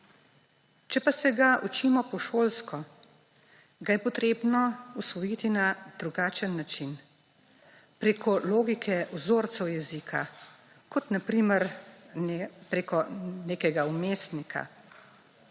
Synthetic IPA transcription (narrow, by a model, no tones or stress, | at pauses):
t͡ʃɛpasɛɡaʔut͡ʃimɔpɔʃoːlskɔ | ɡajɛpɔt̪ɾeːbnɔusʋɔjit̪inad̪ɾuɡaːt͡ʃənːat͡ʃin | pɾeːkʰɔloːɡikʰɛuzoːɾt̪sɛwjɛzikʰa̰ | kɔt̪napɾiməɾ | pɾekɔneːkɛɡaumeːst̪nikʰa̰